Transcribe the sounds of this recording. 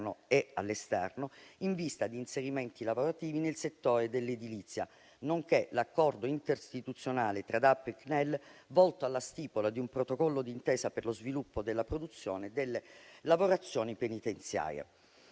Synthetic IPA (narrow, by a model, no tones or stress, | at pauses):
noealːest̪ɛrnoiɱvist̪ad̪iːnseɾiment̪ilavoɾat̪iːvinelset̪ːoːɾed̪elːed̪ilit̪sːja̰ | noŋkelakːɔrd̪oint̪eɾst̪it̪ut̪sːjonaːlet̪ɾad̪apːeknɛlːvɔlt̪oalːast̪iːpolad̪iumpɾot̪okɔlːod̪iːnt̪eːsaperlozvilupːod̪elːapɾod̪ut̪sːjoːned̪elːelavoɾat̪sːjoːnipenit̪ent̪sja̰ːɾjḛ